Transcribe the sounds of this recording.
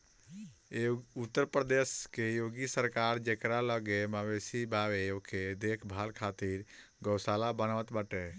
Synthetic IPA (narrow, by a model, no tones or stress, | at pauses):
ut̪ːəɾpɾəd̪eskejoɡisəɾkaɾd͡ʒekɾaləɡemabesibabeokʰed̪ekʰbʱalkʰat̪iɾ | ɡəwsalabənaət̪bəʈe